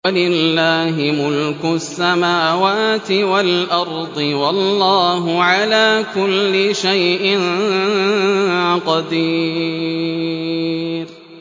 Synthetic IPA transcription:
walɪllːaːɦɪmʊlkʊsːamaːwaːt̪ɪwalʔɑɾˤd̪ˤɨwɑlːɑːɦʊʕalaːkʊlːɪʃajʔɪn | qɑd̪iː | ɾ

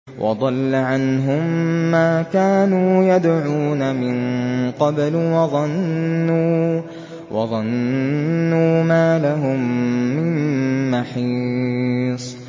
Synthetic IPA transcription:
wʔɑ̰d̪ˤɑlːaʕanɦʊmːaːkaːnuːjad̪ʕuːnamɪnqɑblwɑðˤɑnːuː | wʔɑ̰ðˤɑnː | uːmaːlaɦʊmːɪmːaħiː | sˤ

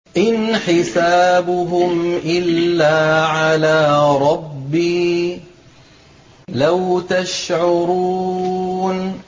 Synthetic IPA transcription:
ʔɪnħɪsaːbʊɦʊmʔɪlːaːʕalaːɾˤɑbːiː | lawt̪aʃʕʊɾuːn

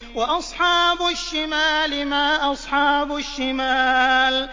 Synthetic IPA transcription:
waʔɑsˤħɑːbʊʃːɪmaːlɪmaːʔɑsˤħɑːbʊʃːɪmaːl

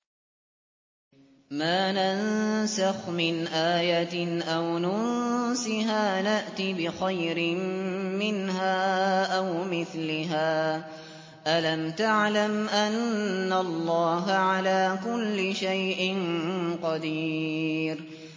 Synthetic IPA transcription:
maːnansaxmɪnʔaːjat̪ɪʔawnʊnsɪɦaːnaʔt̪ibɪxajɾɪmmɪnɦaːʔawmɪθlɪɦaː | ʔalamt̪aʕlamʔanːalˤːɑːɦaʕalaːkʊlːɪʃajʔɪnqɑd̪iːɾ

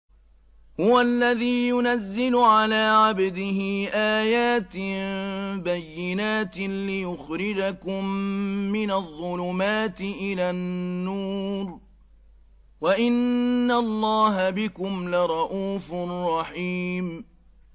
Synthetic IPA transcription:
hʊwalːaðiːjʊnazːɪlʊʕalaːʕabd̪ɪɦɪʔaːjaːt̪ɪ | bajːɪnaːt̪lɪjʊxɾɪd͡ʒakʊmːɪnaðˤːʊlʊmaːt̪ɪʔɪlaːnːuːɾ | waʔɪnːalˤːɑːɦabɪkʊmlɪɾˤɑʔuːfʊrˤːɑħiːm

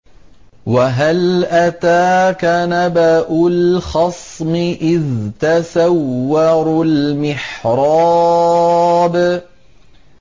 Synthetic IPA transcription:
waɦalʔat̪aːkanabaʔʊlxɑsˤmɪʔɪðt̪asawːɑɾˤlmɪħɾˤɑ | b

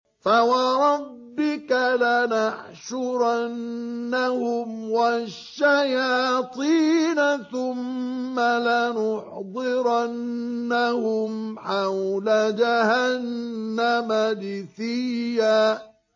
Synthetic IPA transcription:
fawɑɾˤɑbːɪkalanaʕ | ʃʊɾanːahʊmwaʃːajɑːt̪ˤiːnaθʊmːalanʊħd̪ˤɪɾanːahʊmħawlad͡ʒahanːamad̪ɪθɪjːaː

